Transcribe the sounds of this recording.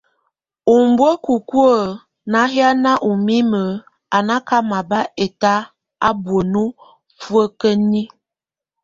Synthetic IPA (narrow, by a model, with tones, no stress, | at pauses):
u˨m˨bwə˦ku˨ku˦ə˦˨ | na˨˦ɦja˦na˦ʔu˨mi˦mə˨˦ | a˨na˦ka˦ma˨ba˦e˨ta˦ | a˦bwə˨nu˦ | fwə˦kə˦ni˦